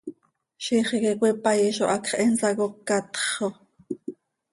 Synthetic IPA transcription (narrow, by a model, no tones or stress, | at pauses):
ʃiːχikekʷipɑjiʃo̰ʔɑkχʔɛnsɑkokːɑt̪χo